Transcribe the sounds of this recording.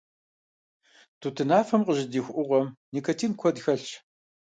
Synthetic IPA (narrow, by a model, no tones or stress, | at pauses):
tʰuːtʰɨnaːfɐmqəʑɪdiːxʷʔʊʁʷɔmniːkʰɐtʰiːnkʷʰɔdxɐɬ